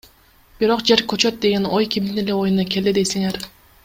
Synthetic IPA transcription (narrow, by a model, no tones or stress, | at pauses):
b̥iɾo̞qd͡ʒe̞ɾkʰʲøt͡ʃøt̪̚d̪eɡʲenojkʰʲimd̪ineleo̞junɑkʲe̞ld̪ed̪ejsiŋeɾ